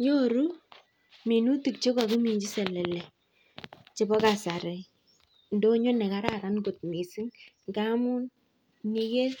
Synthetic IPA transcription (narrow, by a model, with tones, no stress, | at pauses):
jo˦ɾu˦ | mi˨nu˦tu˨k̚t͡ʃe˦kɔ˨ki˦mi˨ɲd͡ʒi˦sɛ˨lɛ˨lɛ˨ | t͡ʃe˦bɔ˦ka˨sa˨ɾe˨ | ndo˦ɲo˦nɛ˨ka˦ɾa˦˨ɾa˨˦nɡo˨t̚mi˨si˦ŋŋɡa˦mu˦n | ni˦ke˦